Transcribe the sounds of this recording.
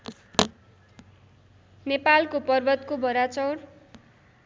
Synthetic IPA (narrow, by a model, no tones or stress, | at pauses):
nepalkopʌrbʌt̪kobʱʌɾat͡sʌwr